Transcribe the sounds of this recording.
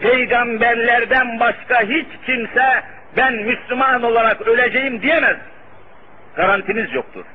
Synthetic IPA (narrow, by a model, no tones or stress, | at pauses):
pʰejɡambæɾlʲæɾd̪ænbaʃkaɦit͡ʃcʰimsɛ | bænmyslʲymano̞lˠaɾakølʲed͡ʒejimd̪ijemæz | ɡ̥aɾant̪ʰimizjok̚t̪ʰṵɾ̥